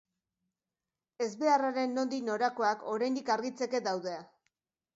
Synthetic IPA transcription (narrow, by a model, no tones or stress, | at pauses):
e̞zβe̞araɾe̞nːo̞nd̪ino̞ɾako̞ako̞ɾajnd̪ikaɾɣit͡se̞ke̞d̪awðe̞a